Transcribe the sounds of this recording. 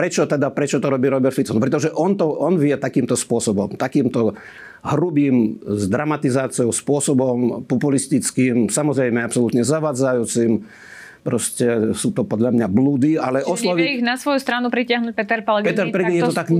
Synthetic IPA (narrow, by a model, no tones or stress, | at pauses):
pɾɛt͡ʃɔt̪ɛd̪apɾɛt͡ʃɔt̪ɔɾɔbiːɾɔbɛɾfit̪t͡sɔnɔpɾɛt̪ɔʒɛʔɔnt̪ɔʔɔnʋɪɛt̪akiːmt̪ɔspʊɔsɔbɔmt̪akiːmt̪ɔ | hɾubiːmzd̪ɾamat̪izaːt͡siɔʊspʊɔsɔbɔmpɔpulist̪it͡skiːmsamɔzɾɛjmɛapsɔlut̪ɲɛzaʋaːd͡zajuːt͡sim | pɾɔscɛsuːt̪ɔpɔd̪ʎamɲablud̪ialɛɔsllɔʋiiɣnasʋɔjust̪ɾanupɾicɪaɦnuc̚pɛt̪ɛɾpalɡpɛt̪ɛɾpɾiɛt̪ɔt̪aɡ